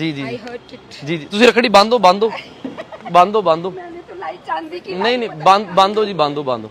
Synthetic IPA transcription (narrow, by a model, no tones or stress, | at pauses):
d͡ʒiːd͡ʒiːd͡ʒiːd͡ʒiːd͡ʒiːt̪ʊsĩɾəkʰɽiːbãːnd̪oːbãːnd̪oː | bãːnd̪oːbãːnd̪oː | nəĩːnə̃ːbãnbãːnd̪oːd͡ʒiːbãːnd̪oːbãːnd̪oː